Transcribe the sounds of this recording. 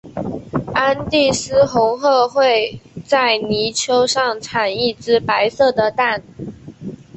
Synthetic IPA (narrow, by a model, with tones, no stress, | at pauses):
a˥nt̪i˥˩sɹ̩˥xʊ˧˥ŋxɤ˥˧xwe˥˧ɪt͡sa˥˩ɪni˧˥t͡ɕʰjo˥ʊʂɑ˥˩ŋʈ͡ʂʰa˨˩ni˥˩ʈ͡ʂɻ̩˥pa˧˥ɪsɤ˥˩d̪ə˩t̪a˥˩n